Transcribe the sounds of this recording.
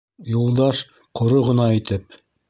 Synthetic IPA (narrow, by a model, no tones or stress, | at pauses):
julˠd̪ɑʃ | qʰŏɾoʁɤ̆nɑit̪ɘp